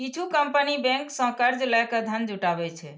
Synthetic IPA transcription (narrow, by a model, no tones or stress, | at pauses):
kit͡ʃʰukəmpənibɛ̃ŋksə̃kəɾd͡ʒlɛkəd̪ʱənd͡ʒuʈabɛt͡ʃʰɛ